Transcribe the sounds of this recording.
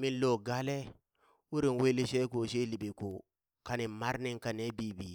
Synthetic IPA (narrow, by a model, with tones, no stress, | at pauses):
mi˦nlo˨ɡa˦le˦ | wu˦ɾi˨we˦li˦ʃe˦ko˨ʃe˦li˨bi˨ko˨ | ka˨ni˨ma˦ɾni˦ŋka˨ne˦bi˦bi˨